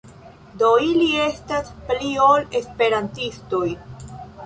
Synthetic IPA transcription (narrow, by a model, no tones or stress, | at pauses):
doilie̞staspliole̞spe̞ɾantisto̞j